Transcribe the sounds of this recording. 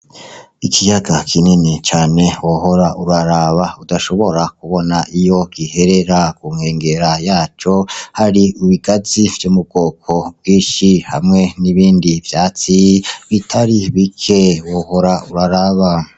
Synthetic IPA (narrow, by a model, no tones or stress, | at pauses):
ikʰijaɡakʰininit͡ʃaːne̞woho̞ɾaʔuɾaɾaβaudaʃo̞βo̞ɾakuβo̞naʔijo̞ɡ̥ihe̞ɾe̞ɾakuŋhe̞ːŋɡe̞ɾajaːt͡ʃo̞haɾiuβiɡaziv̥jumub̚ɡo̞ːkʰobwiːʃiha̰mŋe̞niβiːndivjaːt͡siβitʰaɾiβikʰe̞woho̞ɾauɾaɾaβa